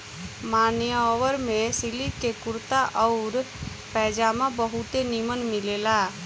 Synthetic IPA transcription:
maːnjaɔːwəɾmẽsilikekʊɾt̪aʔɔʊɾ | pɛːd͡ʒaːmãbəɦʊt̪enimənmɪleːlaː

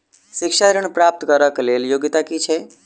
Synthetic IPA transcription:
sikʃaɾəɳ̃pɾap̚t̪kəɾəkleljoɡit̪akit͡ʃʰɛ

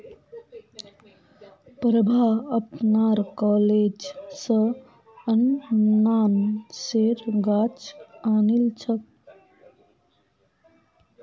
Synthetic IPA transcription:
pɾəbʱaəpnaɾkɔːled͡ʒsə̃ | ənːaːnseɾɡaːt͡ʃaːnilt͡ʃʰək

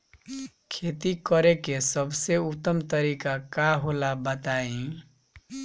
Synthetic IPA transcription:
kʰet̪ikʌɾekesʌbseut̪ːʌmt̪ʌɾikakaɦolabət̪aẽ

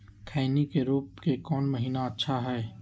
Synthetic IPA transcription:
kʰaːnikeɾuːp̚kekɔːnmɐɦiːnaɐtːʃʰaɦɛː

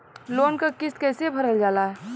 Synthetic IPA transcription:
loːnkakɪskɛːsebʱəɾəld͡ʒaːlaɦɛ

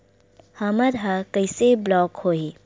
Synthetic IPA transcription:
hɐməɾɦakəɪseblɔːkhoːi

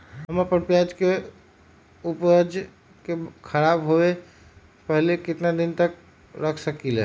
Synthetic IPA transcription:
ɦəməpənpjad͡ʒke | upəd͡ʒ | kekʰəɾabɦoe | pəɦlekɪt̪nad̪ɪnt̪ək | ɾəkʰsəkilḛ

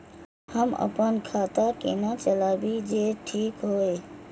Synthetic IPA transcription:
həmə̰pənkʰaːt̪akḛnat͡ʃəlaːbid͡ʒeʈʰiːkɦoːe

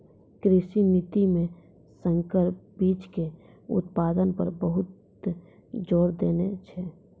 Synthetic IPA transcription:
kɾɪʃinit̪imẽ | sə̃ŋkəɾpbiːt͡ʃke | ʊ̰t̪̚paːd̪ənpəɾbəɦʊt̪ | d͡ʒoːɾd̪eːnet͡ʃʰɛ

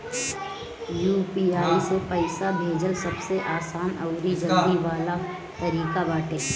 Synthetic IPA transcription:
juːpiaːisepəɪsabʱeːd͡ʒəlsɐbseʔaːsaːnɔːɾid͡ʒəld̪iʋaːla | t̪ɐɾiːkabaːʈeː

